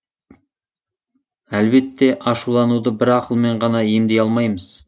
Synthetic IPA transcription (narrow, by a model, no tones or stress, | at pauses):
ælbe̞t̪ːe̞ʔɑʃulˠɑnud̪əbɪɾɑqəlˠme̞ɴʁɑnɑje̞md̪e̞jɑlˠmɑjməz̥